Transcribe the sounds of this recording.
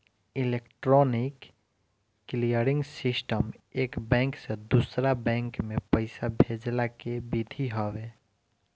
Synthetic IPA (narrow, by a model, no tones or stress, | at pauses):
ilekʈɾɔnikː | lijəɾiŋɡsisʈəmekbɛ̃ŋksẽd̪usɾabɛ̃ŋkmepəɪsabʱed͡ʒlakebid̪ʱiɦɔbe